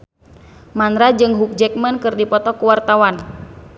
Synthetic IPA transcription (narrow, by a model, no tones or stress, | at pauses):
manɾad͡ʒɨŋɦuk̚d͡ʒɛk̚mənkɨrdipɔt̪ɔkuwart̪awan